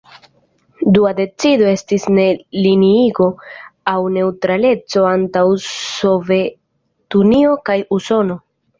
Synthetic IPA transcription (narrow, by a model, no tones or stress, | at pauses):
duade̞t͡sido̞e̞stisne̞liniiɡo̞awne̞utɾale̞t͡so̞antawso̞ve̞ | tunio̞kajuso̞no̞